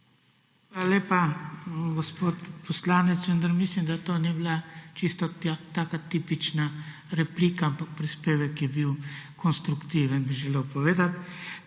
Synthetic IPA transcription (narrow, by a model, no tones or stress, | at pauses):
xalalʲeːpa | ɡospoːt̪pɔslaːnɛt̪sʋənd̪aɾmislimd̪at̪oːniblat͡ʃist̪ɔt̪aːkat̪ipit͡ʃna | ɾɛpliːkaampak̚pɾispeːʋɛkjɛbiwkʰɔnst̪ɾukt̪iʋɛnbiʒɛleːwpɔʋeːd̪at̪